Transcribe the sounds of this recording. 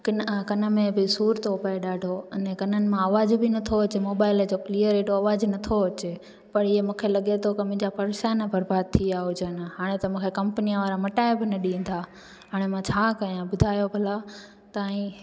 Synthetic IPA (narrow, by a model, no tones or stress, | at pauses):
kɪnkɐnə̆mẽbɪsuːɾt̪ʰopɐeɗaːɖʱoɪnẽkɐnənɪ̆mãɐʋaːzbɪnɐt̪ʰoɐt͡ɕemoːbaːɪld͡ʑoklijəɾeːʈoɐʋaːznɐt̪ʰoɐt͡ɕe | pɐɾɪɦemũːkʰelɐɠet̪ʰokɐmʊ̃ɪ̃ɲd͡ʑapɐɾʃanabʱɐɾbaːd̪̚t̪ʰiaɦʊd͡ʑənɦaːɽ̃et̪ɐmũːkʰekɐ̃mpənijãʋaːɾamɐʈaːebɪnɐɗĩːnd̪aː | ɦaːɽ̃emãt͡ɕʰaːkɐjãbʊd̪ʱaːjobʱɐla | t̪aːɦĩ